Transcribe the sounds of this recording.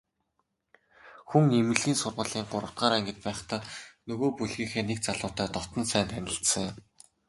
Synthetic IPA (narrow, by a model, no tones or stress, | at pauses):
xuŋnemɘ̆ɮiːnsʊrʁə̆ɮiːŋɢʊɾə̆t̪ɢaːɾæŋɡɘ̆t̪̚pæːχt̪aːnɵɣoːpuɮɣiːxeːnek̚t͡saɮʊːt̪æːt̪ɔt̪ɞ̆nsæːnt̪ʰænʲɪ̆ɬsə̆ŋʊm